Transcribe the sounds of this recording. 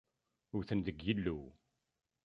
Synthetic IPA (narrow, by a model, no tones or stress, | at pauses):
ʊɾθənd̪əɡjilːu